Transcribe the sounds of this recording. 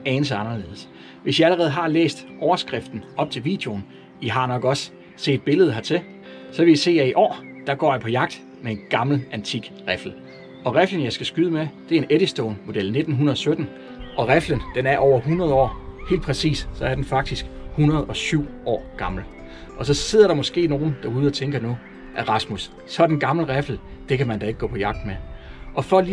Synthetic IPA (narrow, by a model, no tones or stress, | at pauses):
ɛːnəs̬əɑ̈nɐle̝̰ːðˠs | ʋe̝sjiæləʁɛːð̩ˠɦɑ̈lḛːsd̥ʔɒʊɐsɡ̥ʁɛfd̥n̩ɒ̽b̥̚t͡sʰe̝lʋḭːd̥eo̝n | iɦɑ̈nɒ̽ɡ̥ɒ̽sː | e̝̰ːd̥̚b̥e̝ləð̩ˠɦɑ̈t͡sʰe̝ | sɒ̽ʋe̝jise̝̰ːjɑiʔɒ̰ːd̥ɑ̈ɡ̥ɒ̰ːjɑ̈pʰɒ̽jɑ̈ɡ̥̚d̥ | mee̝nɡ̥ɑ̈ml̩ʔænt͡sʰiɡ̥ʁɛfl̩ | ɒ̽ʁeflən̩jɑɪsɡ̥æsɡ̥yːðˠmed̥e̝æɐe̝neɾ̥isd̥oːnmo̝d̥el̰ne̝d̥n̩ɦunɐðˠsød̥n̩ | ɒ̽ʁæflənd̥enæɐʔɒʊ̰ɐɦunɐð̞ˠɒ̰ːhe̝̰ld̚pʰʁɛsḭːssɒ̽æɐd̥enfɑ̈ɡ̥̚d̥isɡ̥hunɐðˠɒ̽syʊ̰ɒ̰ːɡ̥ɑ̈ml̩ | ʔɒ̽sɒ̽se̝ð̰ˠɐɾ̥ɑ̈mɒ̽sɡ̥e̝̰ːno̝ːn̩d̥ɑ̈uːð̞̩ˠɒ̽t͡sʰeŋɡ̥ɐnu | ʔæʁɑ̈smusː | ɒd̥enɡ̥ɑ̈mləʁɛfl̩ | d̥e̝kʰæmænd̥ɑe̝ɡ̥əɡ̥ɔ̰ːpʰɒ̽jɑ̈ɡ̥̚d̥meʔɒ̽fɒ̽li